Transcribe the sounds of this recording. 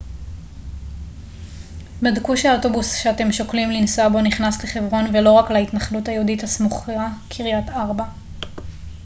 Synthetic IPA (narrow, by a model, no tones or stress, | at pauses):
bedkuʃeotobusʃeate̞mʃo̞klimlinsabo̞niχnasle̞χe̞vʁo̞nve̞lo̞ʁaklaitnaχlutajeudithasmuχakʰiʁjataʁba